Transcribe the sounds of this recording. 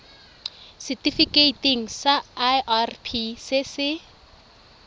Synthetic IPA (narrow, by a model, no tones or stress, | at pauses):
sɪtifikeiteŋ̩saʔarpʰisɪsɪ